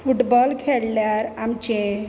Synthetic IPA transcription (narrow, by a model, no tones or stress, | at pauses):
fuʈbɔlkʰeɽljaɾamt͡ɕẽ